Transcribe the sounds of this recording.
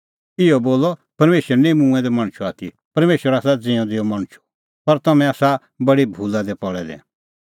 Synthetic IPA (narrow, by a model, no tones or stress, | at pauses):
ɪɔboːlɔpɐɾmeːʃəɾɛnemũːɛ̃d̪ɛmɐ̃ɽ̃t͡ʃʰuaːt̪ʰi | pɐɾmeːʃwəɾaːsad͡zɪ̃ɔ̃d̪ɪɔmɐɽ̃t͡ʃʰu̥ | pɐɾt̪ɐmɛ̃aːsa | bɐɽibʱuːlad̪ɛpɔɭɛd̪ɛ̰̃